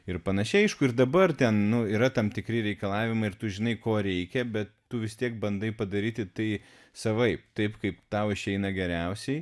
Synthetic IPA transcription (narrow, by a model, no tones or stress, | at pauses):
ɪɾpɐnɐʃʲɪɐɪʃkʊɪɾd̪ɐbɐrt̪ʲɛnnʊiːɾɐt̪ɐmt̪ʲɪkɾʲɪɾʲɛɪkɐlˠɑːʋʲɪmɐɪɪrt̪ʊʒʲɪnɐɪkoːɾʲɛɪkʲɛbʲɛt̪tʊʋʲɪst̪ʲiɛk̚bɐnd̪ɐɪpɐd̪ɐɾʲiːt̪ʲɪt̪ɐɪ | sɐʋɐɪp̚t̪ɐɪpkɐɪpt̪ɐʊɪʃʲɛɪnɐɡʲɛɾʲɛʊsʲɛɪ